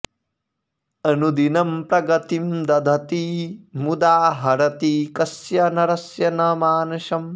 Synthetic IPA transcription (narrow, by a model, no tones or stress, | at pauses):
ɐnud̪inɐmpɾɐɡɐt̪imd̪ɐd̪ʱɐt̪imud̪aːɦɐɾɐt̪ikɐsjɐnɐɾɐsjɐnɐmaːnuʃɐm